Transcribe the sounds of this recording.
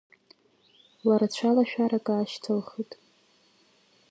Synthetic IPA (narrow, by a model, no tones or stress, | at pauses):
waɾat͡ɕʷʰalaʃᶣaɾakʼaaːʃtʰɨlχɨtʼ